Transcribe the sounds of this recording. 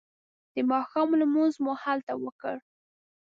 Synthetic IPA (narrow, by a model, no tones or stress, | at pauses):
d̪̥əmɑxɑmlamunzmuhalt̪awəkə̰ɽ